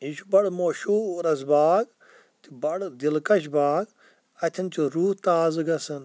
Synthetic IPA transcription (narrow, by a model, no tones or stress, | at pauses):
iʃubɐɽmoːʃuːɾɐsbaːɡ | t̪ibɐɽd̪ilkɐʃ̬baːɡ | ɐt̪ʰɐnt͡ʃuɾuːht̪aːzɨɡɐsɐn